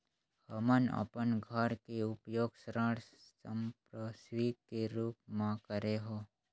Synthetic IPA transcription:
həmənə̰pənɡʱəɾkeʊpjoːɡsɾəɽəmpɾəsʋiːkeɾuːpmãkəɾeɦoː

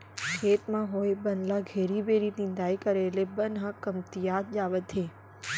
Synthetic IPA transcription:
kʰet̪mãɦojbənlaɡʱeɾibeɾinɪ̃nd̪ajkəɾelebənɦãkəmt̪ijat̪̚d͡ʒaʋət̪ʰẽ

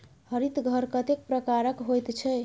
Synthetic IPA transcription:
hʌɾit̪ɡʱʌɾkʌt̪ek̚pɾəkaɾəkɦojt̪t͡ʃʰɛ

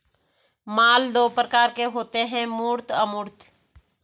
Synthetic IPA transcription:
maːld̪oːpɾəkaːɾkeɦoːt̪eɦɛ̃muːɾt̪əmuːɾt̪

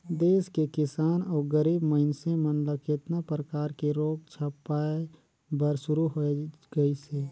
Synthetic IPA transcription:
d̪eːskekɪsaːnɔːɾɡəɾiːbməɦɪnsẽmənləkeːt̪napɾəkaːɾkeɾoːp̚t͡ʃʰəpaːe | bəɾsʊɾuɦoeɡəiseː

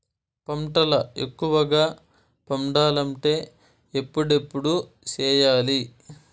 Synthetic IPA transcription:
pɐmʈɐlɐe̞̰kːuʋɐɡaː | pɐmɖaːlɐɳʈe̞ː | epːuɽe̞pːuɽu | t͡ʃɛːjaːli

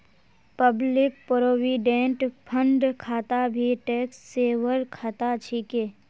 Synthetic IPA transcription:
pəblɪk̚pɾoːwiːɖẽːɳʈpʰə̃ɳɖkʰaːt̪abʱiʈeːksseːwəɾkʰaːt̪at͡ʃʰikeː

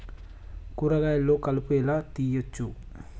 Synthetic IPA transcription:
kuɾɐɡaːjɐlːoːkɐlupuɛlaːt̪ijot͡ʃːu

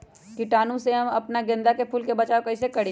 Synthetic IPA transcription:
kiʈaːnũseɦɐmɐpnaɡẽnd̪akepʰuːlkebɐt͡ʃaːokɐɪsekɐɽi

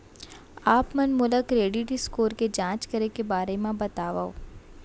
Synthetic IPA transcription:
aːpmɐnmʊləkɾeːɖiʈiskoːɾked͡ʒãːt͡ʃkɐɾekebaːɾemẽbɐt̪aːʋaoː

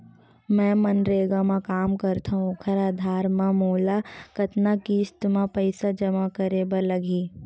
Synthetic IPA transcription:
mɛ̃ːmɐnɾeːɡamãkaːmkɐɾt̪ʰaɦũkʰɐɾaːd̪ʱaːɾmãmoːlakɐt̪nakiːst̪mãpəɪsad͡ʒɐmakəɾeːbəlɐɡiː

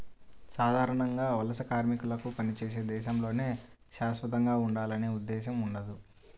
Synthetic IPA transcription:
saːd̪ʱaːɾɐɳɐŋɡaːʋɐlɐsɐkaːɾmikulɐkupɐnit͡ʃeːs̬e̞ːd̪ɛːʃɐmlo̞ːne̞ː | ʃaːsʋɐt̪ɐŋɡaːuɳɖaːlɐne̞ːud̪ːɛːʃɐmuɳɖɐd̪u

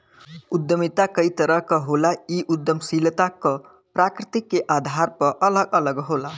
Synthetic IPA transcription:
ud̪jəmit̪akʌit̪əɾʌɦkəɦolaiʔud̪ːjəmsilt̪akʌ | pɾakɾit̪ikːeʔad̪ʱaɾpʌʔələɡələɡɦola

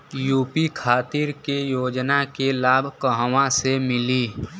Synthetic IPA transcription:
juːpikʰaːt̪ɪɾkejoːd͡ʒnakelaːbʱkəɦwãsemɪliː

